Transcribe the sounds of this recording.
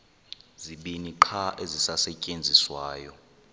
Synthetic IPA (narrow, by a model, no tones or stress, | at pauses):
ziɓiniǃʰaʔezisasɛcʼend͡zʱiswaːjɔ